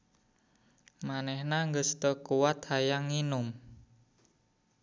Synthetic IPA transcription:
manɛhnaŋɡəst̪əkuwat̪̚hajaŋːinʊm

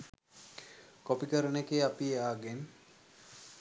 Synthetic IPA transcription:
kopikəɾənekeːapiaːɡen

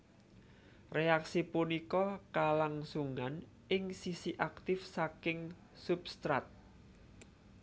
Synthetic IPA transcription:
reaksipunikɔkalaŋsuŋan | ʔɪŋsisiʔak̚t̪ɪfsakɪŋ | supst̪ɾa̰t̪̚

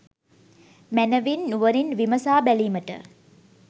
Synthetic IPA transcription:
mænəʋinːuʋəɾinʋiməsaːbæliːməʈə̰

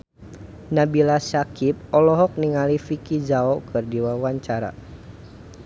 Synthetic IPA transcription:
nabilasakip̚ɔlɔɦɔk̚niŋalifikizaɔkʰɨrdiwawaɲt͡ʃaɾa̰

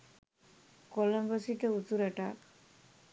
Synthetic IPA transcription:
koləmbəsiʈəut̪uɾɐʈaːk

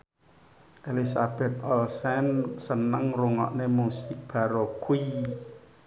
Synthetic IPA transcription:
ʔelisab̥ɛ̤t̪̚ɔlsɛnsənəŋruŋɔ̰ʔnemusɪk̚b̥a̤ɾokui

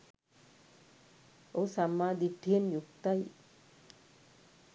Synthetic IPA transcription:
osɐmːaːd̪iʈʰːijɐnjukt̪ɐj

